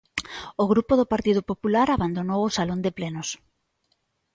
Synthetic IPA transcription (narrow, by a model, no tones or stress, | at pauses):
oɣ̞ɾupoðʊpaɾt̪iðʊpopulaɾaβand̪onowosalond̪ɪplenʊs